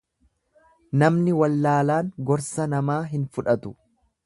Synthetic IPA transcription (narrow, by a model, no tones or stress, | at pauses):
nɐmnɪwɐlːaːlaːŋɡɔɾsɐnɐmaːɦɪnfʊᶑɐt̪ʊ̥